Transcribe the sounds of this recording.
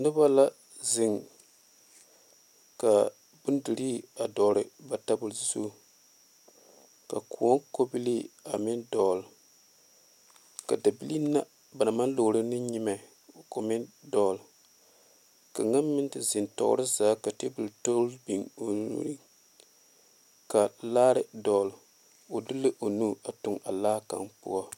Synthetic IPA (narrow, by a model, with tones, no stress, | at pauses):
nɨ˦ba˦la˦ | zɪ˨ŋ | ka˨ | bʊ˦n˦du˨ɾi˦a˨dɔː˨ɾɨ˨ba˨ta˦bʊ˨lzsṵ˦˨ | ka˨kʰu˨o˦ŋko˦bi˦li˦a˨mɪ˦ndɔ˨l | ka˨da˨bi˦li˦nːa˦ | ba˨na˨ma˦n˦lo˨ɾɨ˦nɨ˦ɲi˦ma˨ | ko˨mɪ˦ndɔ˦˨l | ka˨ŋa˦nmɪ˦ntɨ˦zɪ˨ntɔ̰˦ʔʊ̰˦ɾɨ˦zaː˦ka˨te˦bu˨lto˦lbi˨ŋo˨nṵ˦ɾi˦ | ka˨laː˦ɾɨ˦dɔ˨˦l | o˨dɨ˦lɨ˦ʔo˨nu˦a˨tʊ˨ŋa˨laː˦ka̰˨ŋpʊ̰˦ɔ˦